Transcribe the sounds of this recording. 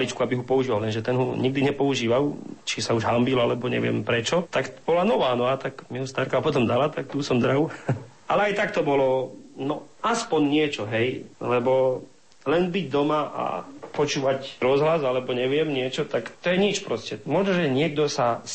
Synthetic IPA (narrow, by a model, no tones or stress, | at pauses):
lit͡ʃkuabiɦupɔuʒiːʋalɛnʒɛt̪ɛnɦuɲiɡ̚d̪iɲɛpɔuʒiːʋalt͡ʃisauʒɦambilalɛbɔɲɛ̰ʋɪɛ̰mpɾɛt͡ʃɔt̪akb̥ɔlanɔʋaːnɔat̪akmiɦust̪aːɾkaɦɔpɔt̪ɔmd̪alat̪ak̚t̪uːsɔmd̪ɾaʊ | alɛajt̪akt̪ɔbɔlɔnɔ | aspɔɲɲɪɛt͡ʃɔɦɛjlɛbɔ | lɛnbiɟd̪ɔmaʔa̰pɔt͡ʃuːʋacɾɔzɦlazalɛbɔɲɛʋɪɛmɲɪɛt͡ʃɔt̪akt̪ɔjɛɲit͡ʃpɾɔscɛmɔʒnɔʒɛɲɪɛɡ̚d̪ɔsas